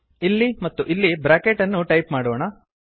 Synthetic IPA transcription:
ilːimɐt̪ːuʔilːibɾaːkeʈɐnːuʈɐjpmaːɽoːɳɐ

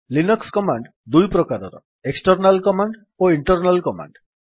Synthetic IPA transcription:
linɔkskɔmaɳɖ | d̪ujpɾɔkaɾɔɾɔ̰ | eksʈɔɾnalkɔmaɳɖ | oiɳʈɔɾnalkɔma̰ɳɖ

